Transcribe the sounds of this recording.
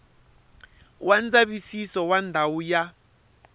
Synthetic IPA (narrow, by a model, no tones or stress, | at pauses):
wand͡zaβisisɔwandʱawuja